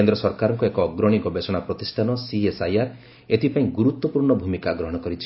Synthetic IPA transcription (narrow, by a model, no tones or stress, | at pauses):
end̪ɾɔsɔɾkaɾɔŋkɔekɔɡɾɔɽ̃iɡɔbesɔɽ̃apɾɔt̪isʈʰanɔsiesajaɾ | et̪ʰipaĩɡuɾut̪wɔpuɾɳɔbʱumikaɡɾɔɦɔɽ̃ɔkɔɾit͡ʃʰi̥